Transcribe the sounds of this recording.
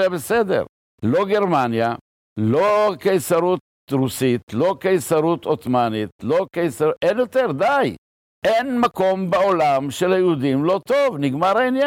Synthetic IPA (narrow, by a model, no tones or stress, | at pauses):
abesed̪ḛʁ | lo̞ɡeʁmanja | lokejsaɾut̪̚ | ʁusit̪lo̞kejsaʁut̪ʰot̪manit̪lo̞kejsauʔenjot̪eʁd̪aj | ʔenmako̞mbeolamʃelajeud̪imlo̞t̪o̞vniɡmaʁainja